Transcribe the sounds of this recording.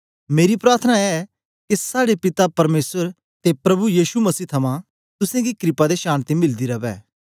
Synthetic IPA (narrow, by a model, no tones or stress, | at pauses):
meːɾipɾaːɾt̪ʰənaɛ | kisaːɽepɪt̪apɐɾmeːsəɾ | t̪epɾɐbujiːʃumɐsiːt̪ʰɐmã | t̪ʊsẽɡikɾɪpad̪eʃaːñt̪imɪld̪iɾɐʋɛ̰ː